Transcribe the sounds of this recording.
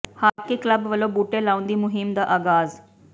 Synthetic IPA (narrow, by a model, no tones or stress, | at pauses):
haːɾkekləbʋəlobuːʈelaːʊ̃nd̪iːmʊɦɪmd̪aʔaːɡaːz